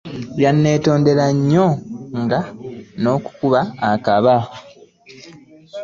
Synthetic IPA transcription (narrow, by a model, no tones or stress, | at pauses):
janːe̞ːto̞ːnde̞laɲːo̞ŋɡano̞ːku̥kuβaːkaβa